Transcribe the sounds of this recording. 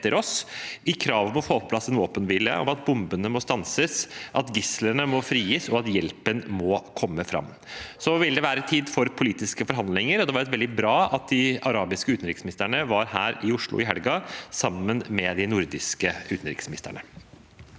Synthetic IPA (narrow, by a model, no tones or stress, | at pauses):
t̪ːəɾʔɔsɪkʰɾɑːʋmɔfoːpʰɔpʰlɑsːɛnʋoːpənʋɪlə̰ʔɔ̰mɑt̪̚bʊmbənəmɔst̪ɑnsəsʔɑt̪ɡɪslənəmɔfɾiːəsɔɑt̪jɛlpənmɔkʰɔmːəfɾɑ̰mː | sɔʋɪld̪ɛʋæːɾət̪ʰiːd̪fɔɾpʰʊliːt̪ɪskəfɔɾɦɑnd̪lɪŋəɾɔd̪ɛʋɑɾɛt̪ʋɛld̪ɪbɾɑːɑt̪̚d̪ɪɑɾɑːbɪskəʉːt̪n̩ɾɪksmɪnɪst̪əɳəʋɑɾhæ̰ːɾɪʊʂɭʊ̰ɪɦɛlɡɑsɑmːənmɛd̪ɪnʊɾd̪ɪskəʉːt̪n̩ɾɪ̰ksmɪnɪst̪ə̰ɳə